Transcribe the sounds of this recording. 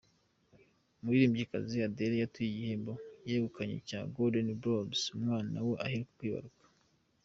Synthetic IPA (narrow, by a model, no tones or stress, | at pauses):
muɾiɾiːmbɟika̰ziadeɾejatuiɟihembojeβukaɲḛca̰ːɡodenbɾobzumŋaːnaweʔahiɾekukwiːβa̰ɾukḁ